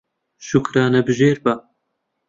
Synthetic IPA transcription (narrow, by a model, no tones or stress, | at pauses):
ʃukɾaːnɐbɨʒeːɾbɐ